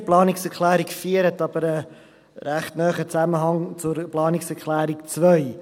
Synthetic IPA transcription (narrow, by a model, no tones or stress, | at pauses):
plɑːnɪksɛɾklæːɾɪkfiːəɾətɑb̥əɾə | ɾæχtnœːχət͡sæməɦɑŋt͡sʊɾplɑːnɪksɛɾklæːɾɪk̚t͡svœʏ